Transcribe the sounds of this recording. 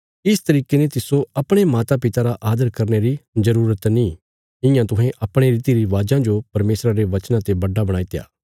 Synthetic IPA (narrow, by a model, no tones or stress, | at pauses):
ɪst̪ɐɾiːkenet̪ɪsoɐpɽ̃emaːt̪apɪt̪aɾaʔaːd̪əɾkɐɾneɾizɐɾuːɾət̪nĩ | ɪ̃jãt̪ʊɦẽʔɐpɽ̃eɾiːt̪iɾiʋaːd͡ʒãd͡ʒopɐɾmeːsɾaɾeʋɐt͡ʃnãt̪ebɐɖabɐɽ̃aːit̪eja̰ː